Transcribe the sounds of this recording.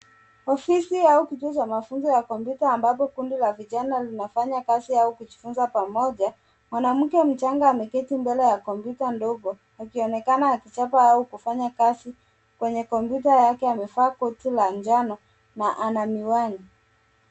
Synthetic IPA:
ɔfisiaukituɔt͡ʃamafunzɔjakɔmpjutaːmbap̬ɔkundilaviʄanalinafaɲakasiaukuʄifunzapamɔʄa | mwanam̩kɛm̩t͡ʃaŋɡaːmɛkɛtimbɛlɛjakɔmpjutandɔɡɔ | akiɔnɛkanaːkit͡ʃapaaukufaɲakasi | kwɛɲɛkɔmpjutajakɛamɛfaːkɔtiland͡ʒanɔ | naʔanamiwaŋi

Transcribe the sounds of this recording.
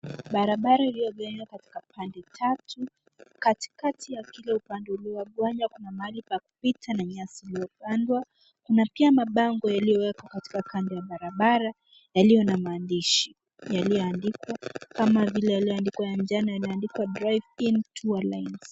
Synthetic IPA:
ɓaɾaɓaɾailijɔɡaɲwakati̥kapandɛtʰatʰu | kati̥katʰijakilɛupandɛuliɔɡwaɲwakunamaalipaaku̥pitʰanaɲasilijɔpandwa | kunapiamaɓaŋɡɔjalijɔwɛkɔkati̥kakandɛjaɓaɾaɓaɾa | jalijɔnamaːndiʃi | jalijɔandikwakamavilɛjaliɔandikwajand͡ʒanajaliɔandikwadɾajvintʰualajnz̥

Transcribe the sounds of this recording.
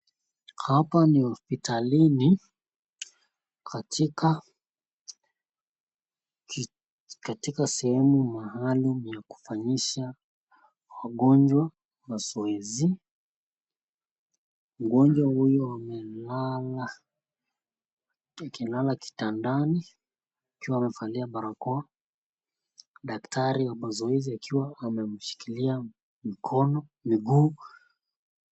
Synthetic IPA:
hapanihɔspitalini | kʰatʰika | katikasɛhɛmumahalumjaku̥faɲiʃa | waɠɔɲd͡ʒwa | masɔɛzi | m̩ɡɔɲd͡ʒwahujɔamɛlala | akilalaki̥tandani | akiwaːmɛfaliaɓaɾakɔa | ɗaktaɾiwamazɔɛziakʰiwaːmɛm̩ʃi̥kilia | mikʰɔnɔmiɡuː

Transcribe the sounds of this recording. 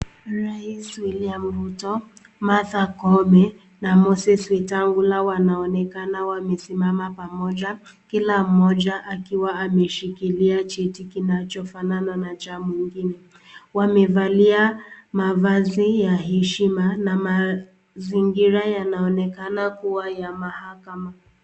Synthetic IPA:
ɾaiswiliam̩vutɔ | maθakɔmɛ | namɔsɛswɛtaŋɡulawanaɔnɛkanawamɛsimamapamɔd͡ʒa | kilam̩mɔd͡ʒaʔakiwaːmɛʃikiliat͡ʃɛtikinat͡ʃɔfanananat͡ʃamuiŋɡinɛ | wamɛvaliamavazijaɦɛʃimanama | ziŋɡiɾajanaɔnɛkanakuwajamahakama

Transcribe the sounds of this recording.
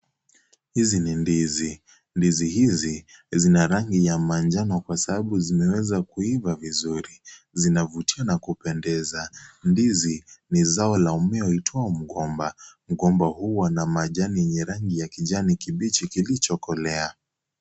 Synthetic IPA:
hizinindizi | ndizihizizinaɾaŋɡijamand͡ʒanɔkwasaɓaɓuzimɛwɛzakuivavizuɾi | zinavutianakupɛndɛzandizinizaɔlaumɛɔitʰɔam̩ɠɔmbam̩ɡɔmbahuwanamaʄaniɛɲɛɾaŋɡijakiʄanikiɓit͡ʃikilit͡ʃɔkɔlɛa

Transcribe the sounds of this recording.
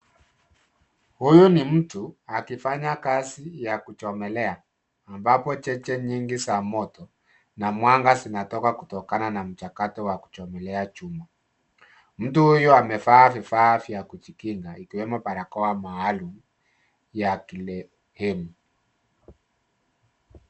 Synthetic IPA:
hujunim̩tuakifaɲakazijakut͡ʃɔmɛlɛaː | mbapɔt͡ʃɛt͡ʃɛɲiŋɡisamɔtɔ | namwaŋɡasinatɔkakutɔkananam̩t͡ʃakatɔwaku̥t͡ʃɔmɛlɛat͡ʃuma | m̩tuhujuamɛfaafifafiakut͡ʃikiŋɡaikiwɛmɔpaɾakɔwamaːlumu | jakilɛ | hɛmu

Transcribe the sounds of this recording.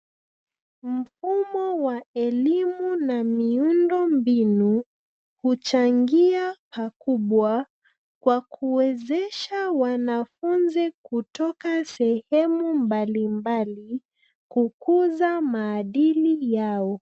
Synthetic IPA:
m̩fumɔwaɛlimunamiundɔmbinu | hut͡ʃaŋɡiapakuɓwa | kwakʰuwɛzɛʃawanafunzikutɔkasɛhɛmumbalimbali | kukuzamaːɗilijaɔ

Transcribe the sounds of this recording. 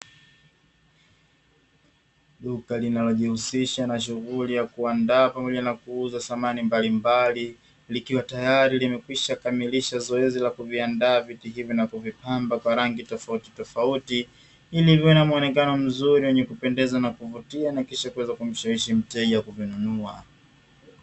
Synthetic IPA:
ɗukalinalɔʄihusiʃanaʃ̬uɣulijakuandaːpamɔʄanakuuzaθamanimbalimbali | likiwatajaɾilimɛkwiʃakamiliʃazɔɛzilakuviandaːvitiɦivjɔnakuvipambakwaɾaŋɡitɔfauti̥tɔfauti | ilivɛnamuɔnɛkanɔm̩zuɾiwɛɲɛkupɛndɛzanakuvutianakiʃakuwɛzakum̩ʃawiʃim̩tɛʄakuvinunua

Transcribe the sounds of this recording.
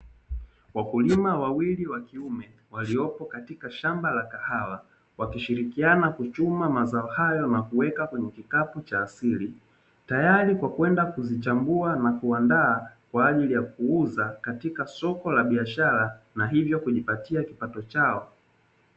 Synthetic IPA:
wakulimawawiliwakiumɛ | waliɔpɔkatikaʃambalakahawa | wakiʃiɾikianakut͡ʃumamazaɔhajɔnakuwɛkakwɛɲɛkikaput͡ʃaːsili | tajaɾikwakwɛndakuzit͡ʃambuanakuandaːkwaːʄilijakuuzakatikasɔkɔlaɓiaʃaɾanaɦivjɔkuʄipatiakipatɔt͡ʃaɔ

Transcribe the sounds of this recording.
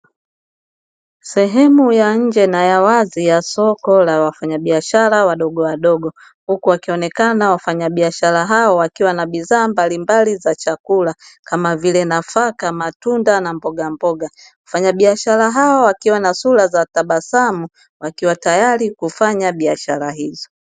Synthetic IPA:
sɛɦɛmujaɲ̩d͡ʒɛnajawazijasɔkɔlawafaɲaɓiaʃaɾawaɗɔɠɔwaɗɔɡɔ | hukuwakiɔnɛkanawafaɲaɓiaʃaɾaɦaɔwakiwanaɓiðaːmbalimbalizat͡ʃakulakamavilɛnafakamatundanambɔɡambɔɡa | wafaɲaɓiaʃaɾaɦaɔwakiwanasulazataɓasamu | wakiwatajaɾikufaɲaɓiaʃaɾaɦizɔ

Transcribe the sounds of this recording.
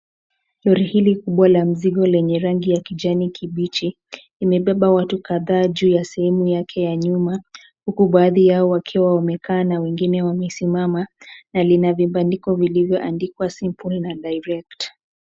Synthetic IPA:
lɔɾihilikuɓwalam̩ziɠɔlɛɲɛɾaŋɡijakiʄanikʰiɓit͡ʃi | limɛɓɛɓawatukaðaːʄuːjasɛhɛmujakʰɛjaɲuma | hukuɓaːðijaɔwakʰɛwawamɛkaːnawɛŋɡinɛwamɛsimamanalinavimbandikɔvilivjɔʔandikwasimpulnaɗajɾɛkt

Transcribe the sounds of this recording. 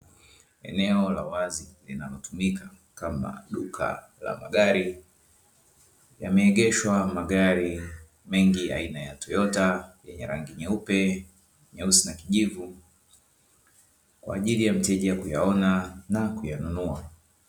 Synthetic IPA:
ɛ̰nɛɔlawazilinalɔtumikʰa | kama̰ɗukʰa̰ | la̰maɠaɾi | jamɛːɠɛʃwamaɠaɾi | mɛŋɡia̰inajatʰɔjɔtajɛɲɛɾaŋɡiɲɛupɛ | ɲɛusinakiʄivu | kwa̰ːʄilijam̩tɛʄiakujaɔnanakujanunua

